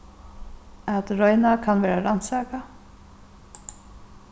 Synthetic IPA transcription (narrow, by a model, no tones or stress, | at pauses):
at̪ɾɔjnakʰanvɛːɾaɾansɛːka